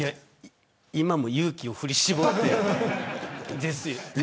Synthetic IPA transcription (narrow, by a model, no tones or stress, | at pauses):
ja | imamo̞jɯːkʲio̞ɸɯ̟ɾʲiɕibot̪ːe | d̪e̞sɨjo